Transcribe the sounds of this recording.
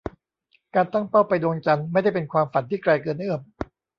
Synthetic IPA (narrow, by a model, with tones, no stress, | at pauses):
kaː˧nt̪a˥˩ŋpa˥˩wpa˧jdu˧əŋt͡ɕa˧nma˥˩jda˥˩jpe˧nkʰwaː˧mfa˨˩nt̪ʰiː˥˩kɾaː˧jkɤː˧nʔɯː˥˩m